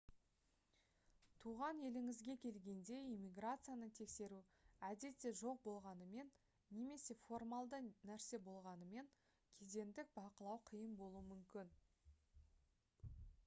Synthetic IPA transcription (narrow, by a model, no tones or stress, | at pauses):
t̪ʰuʁɑne̞lɪŋɪzɡʲe̞kʲʰe̞lɡʲe̞nd̪e̞ijmʲiɡrat̪sɨjanət̪ʰe̞kse̞ɾuæd̪e̞t̪ːe̞ʒo̞q̚bo̞lˠʁɑnəme̞nː | e̞me̞se̞fo̞rmalˠd̪ənæɾse̞bo̞lˠʁɑnəme̞ŋ | kʲʰe̞ze̞nd̪ɪk̚bɑqəlˠɑwqʰəjəmbo̞lˠuəmʏmkʲɪn